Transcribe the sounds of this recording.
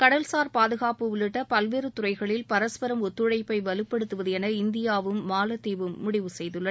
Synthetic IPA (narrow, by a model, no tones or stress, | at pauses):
kɐɽɐlsaːɾpaːðɯɣaːpɯʋʊlɯʈːɐpɐlʋeːɾɯt̪ʊrɐɪɣɐɭɪlpɐɾɐspɐɾɐmɔt̪ːɯɻɐɪpːɐɪʋɐlɯpːɛɽɯt̪ːɯʋɐðɯɛnɐɪnd̪ɪjaːʋɯmːaːlɐt̪ːeːʋɯmːʊɽɪʋɯsɛjðɯɭːɐ